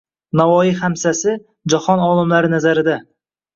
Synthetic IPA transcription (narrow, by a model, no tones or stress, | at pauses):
navɒjihamsasɪ | d͡ʒɒhɒnɒlˠɪmlaɾɪnazaɾɪd̪a